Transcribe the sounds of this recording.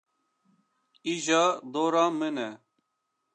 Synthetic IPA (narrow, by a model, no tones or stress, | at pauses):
iʑad̪oːɾãːmene